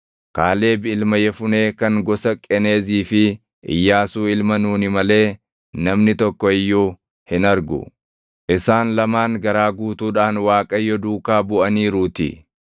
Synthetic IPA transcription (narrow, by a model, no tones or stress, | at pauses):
kaːle̞ːbɪɪlmɐjɛfʊne̞ːkɐŋɡɔsɐkʼɛne̞ːziːfɪ | ʔɪ̰jːaːsuːɪlmɐnuːnɪmɐle̞ː | nɐmnɪt̪ɔkːɔɪjːuː | hɪnɐɾɡʊ̰ | ʔɪsaːnlɐmaːŋɡɐɾaːɡuːt̪uːᶑaːnwaːkʼɐjːɔd̪uːkaːbʊʔɐniːɾuːt̪ɪ̰